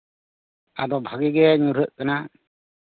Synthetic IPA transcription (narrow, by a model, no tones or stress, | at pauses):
a̰d̪ɔbʱaɡiɡɛɲuɾəʔ̚kana